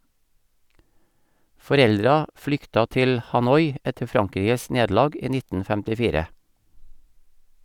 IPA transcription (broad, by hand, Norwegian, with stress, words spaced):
fɔˈɾɛldɾɑ ˈflʏktɑ ˈtɪl hɑˈnɔʏ ˈɛtə ˈfɾɑŋˌkɾiːɡəs ˈneːdl̩ˌɑːɡ ˈiː ˈnɪtn̩ fɛmtɪˈfiːɾə